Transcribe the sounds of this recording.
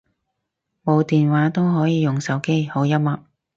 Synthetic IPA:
mo˨˧wt̪iː˨nwaː˨˥t̪o˥wɦɔː˨˥jiː˨˧jʊ˨ŋsɐ˨˥wke˥jho˨˥wjɐ˥m̚mɐ˨˥p̚

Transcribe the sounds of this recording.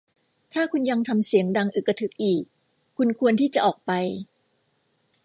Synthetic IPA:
t̪ʰaː˥˩kʰu˧nja˧ŋt̪ʰa˧msi˨˩˦əŋda˧ŋʔɯ˨˩kːa˧t̪ʰɯ˨˦˥k̚ʔiː˨˩k̚ʰː | u˧nkʰu˧ənt̪ʰiː˥˩t͡ɕa˨˩ʔɔː˨˩k̚pa˧j

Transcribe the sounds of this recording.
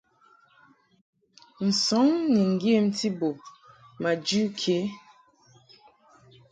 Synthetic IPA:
n̩˨sɔ˨˦ŋni˨ŋ˨ɡe˦m̩˦ti˦bo˨ | ma˨d͡ʒʉ˦kʰe˨˦

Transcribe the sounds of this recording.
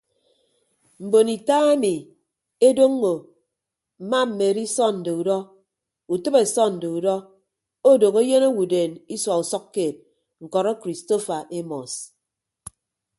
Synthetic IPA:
m̩˨bo˨ni˨ta˦e˦mi˨ | e˦do˦ŋː˦o˨ | m̩˨ma˦m̩˨me˨ɾi˦sɔ˦n̩˨de˨u˨dɔ˦ | u˨tɨ˦be˨sɔ˦n̩˨de˨u˨dɔ˦ | o˦do˨ɣo˦je˦no˦wu˨deː˨ni˦swa˨u˨sɔ˦kːeː˨t̚ | ŋ̩˨kɔ˨ɾɔ˦kɾi˨sto˦fa˨ʔe˦mɔ˨s

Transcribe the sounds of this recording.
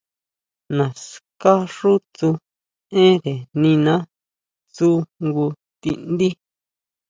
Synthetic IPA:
nã˨ska˦ʐu˦t͡su˧ | ẽ˦ɾe˨nĩ˧nã˦ | t͡su˦ŋɡu˧ | t̪i˧nd̪i˦

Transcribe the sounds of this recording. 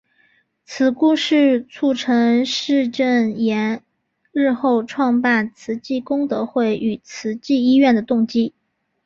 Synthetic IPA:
t͡sʰɹ̩˨˩ku˥ʂɻ̩˥˩t͡sʰu˥˩ʈ͡ʂʰɤ˧˥ŋʂɻ̩˥˧ʈ͡ʂə˥˩njɛ˧˥n | ɻɻ̩˥˧xo˥˧ʊʈ͡ʂʰwɑ˥˧ŋpa˥˩nt͡sʰɹ̩˧˥t͡ɕi˥˩kʊ˥ŋt̪ɤ˧˥xwe˥˩ɪʔy˨˩t͡sʰɹ̩˧˥t͡ɕi˥˧i˥ɥɛ˥˩nd̪ə˩t̪ʊ˥˩ŋt͡ɕi˥

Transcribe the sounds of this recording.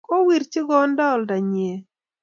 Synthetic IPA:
kɔ˦wi˨ɾt͡ʃɪ˦ɡɔ˦ndɔ˦˨lda˨ɲe˨

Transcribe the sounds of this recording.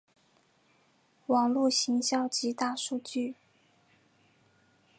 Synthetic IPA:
wɑ˨˩ŋlu˥˩ɕi˧˥ŋɕjɑ˥˩ʊt͡ɕi˧˥t̪a˥˧ʂu˥˧t͡ɕy˥˩

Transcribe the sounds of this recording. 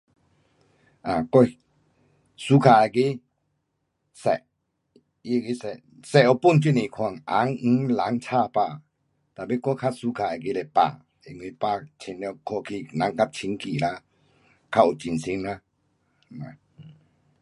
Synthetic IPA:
a˨kɔ˦ | su˧˦kʰa˨a˨ki˦ | sɛ˨ʔ | i˧˦˨ki˦sɛ˨ | sɛ˨ɔ˧pu˥˨nt͡ɕi˦˨nĩ˨kʰwa˧˨ŋʔa˨˦ŋŋ̩˧˦la˨˦ŋt͡sʰa˥˧˨pa˧˨ | t̪a˨be˦˧˨kɔ˦kʰa˦su˧˦kʰa˧˨a˨ki˦le˧˨pa̰˧˨ | i˧˨ŋwi˧˨pa˧˨t͡ɕʰi˧˦nlɛ˧˨kʰɔ˧˨kʰi˧˨nã˨˦ŋka˦t͡ɕʰi˧ŋki˨la˧˦ | kʰa˧u˨t͡ɕi˨nsi˧˦ŋla˧˦ | a̰˨

